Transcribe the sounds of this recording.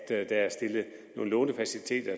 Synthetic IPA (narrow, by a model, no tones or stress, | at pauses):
d̥d̥ææɐsd̥e̝lð̩ˠ | no̝ːn̩lɔ̰̽ːnəfæsilit͡sʰe̝̰ːd̥ɐ